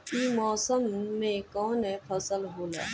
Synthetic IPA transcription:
iːmɔːsəmːẽkɔːnɦɛpʰəsəlɦoːla̰ː

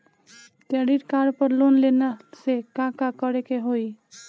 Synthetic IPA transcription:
t̪ɛɽiʈkaɾpəɾlonlenəsekãkakəɾekeɦoi

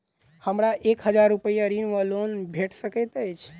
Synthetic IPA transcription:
həmɾaʔekɦəd͡ʒaɾːupəijaɾinʋəlonbʱeʈʰsəkɛt̪əjt͡ʃʰ

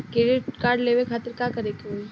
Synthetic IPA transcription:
keɖɪʈkaːɾɖleːʋekʰaːt̪əɾkakɐɾeko

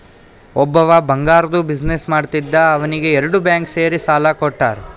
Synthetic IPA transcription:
ɔbːɐʋɐbɐŋɡaːɾɐd̪ubid͡ʒnesmaːɽt̪id̪ːɐːʋɐniɡe̞ɛɾɐɽubjaːŋkse̞ːɾisaːlɐkoʈːaːɾ

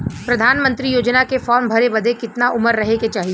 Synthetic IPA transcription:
pɾɐd̪ʱaːnmə̃nt̪ɾijoːd͡ʒnakefɔːɾmbʱɐɾebɐd̪ʱekɪt̪naʔʊməɾːɐɦeket͡ʃaːɦie

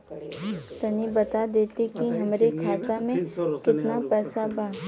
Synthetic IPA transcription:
t̪ɐnibɐt̪ad̪eːt̪ikiɦɐmɾekʰaːt̪amẽkɪt̪napɛːsabaː

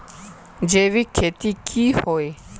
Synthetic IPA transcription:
d͡ʒevikʰetikʰihɔɛ

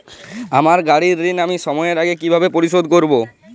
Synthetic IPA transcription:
amaɾɡaɽiɾːinamiʃɔmɔeeɾaɡekibʱabepoɾiʃod̪̚koɾbo

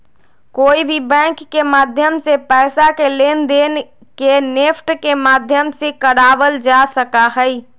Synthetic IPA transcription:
koːibʱibɛ̃ŋkːemaːd̪ʱjəmsepɛɪsakelend̪en | kenepʰʈkemaːd̪ʱjəmsekəɽaːbəld͡ʒasəkaɦəi

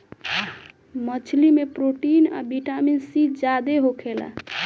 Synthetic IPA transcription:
mət͡ʃʰlimepɾoʈina̰biʈaminsid͡ʒad̪eɦokʰela̰

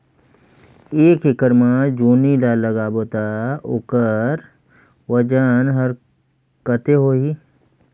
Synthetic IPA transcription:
eːkekəɾmãd͡ʒuːnilaləɡaːboːt̪ao̰kəɾ | wəd͡ʒənɦəɾ | kət̪eɦoːɦi

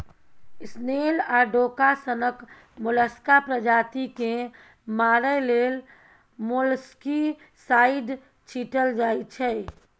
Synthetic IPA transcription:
ɪsnelaːɖoːkasənək | mʊləskapɾəd͡ʒaːt̪ike | maːɾəleːl | molski | saːɪɖ | t͡ʃʰiːʈəld͡ʒaːit͡ʃʰɛ

